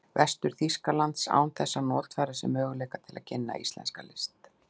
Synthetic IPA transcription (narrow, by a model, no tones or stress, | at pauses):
vɛst̪ʏɾ̥θiskalant̪sa̰ːwnθɛsːanɔɾ̥t̪faːɾɪsɛ̰mœːɣʏlɛːkat̪ʰɪla̰ðcʰɪnːa̰ḭst̪lɛ̰nskalɪst̪